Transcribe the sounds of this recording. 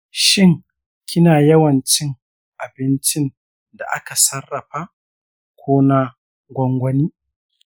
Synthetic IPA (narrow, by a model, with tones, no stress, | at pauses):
ʃɪ˦ŋ | kʲɪ˦naː˨jɐ˦wɐ˨nt͡ʃɪ˦ŋ | ʔa˨bɪ˦nt͡ʃɪ˦n | da̰˨ʔa˦ka˨sɐ˦rːɐ˨ɸa˦ | kʷʰoː˦na˦ | ɡʷɔ˦ŋɡʷɐ˦niː˦